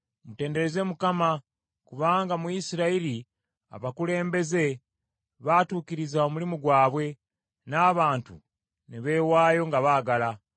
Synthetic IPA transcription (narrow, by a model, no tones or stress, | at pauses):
mute̞ːnde̞ɾeze̞mukama | kuβaːŋɡamujisiɾaili | a̰βakule̞ːmbe̞ze̞ | βatuːkiɾizaomulimuɡwaːβwe̞ | naːβaːntṵ | neβe̞ːwaːjo̞ŋɡaβaːɡala